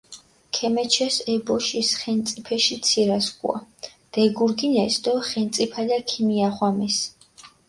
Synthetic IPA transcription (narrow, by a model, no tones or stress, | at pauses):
kʰɛmɛt͡ʃʰɛsɛbɔʃisχɛnt̪sʼipʰɛʃit̪sʰiɾaskʼw̰a̰d̪̥ɛɡuɾɡinɛsd̪ɔχɛnt̪sʼipʰalakʰimiaχwamɛs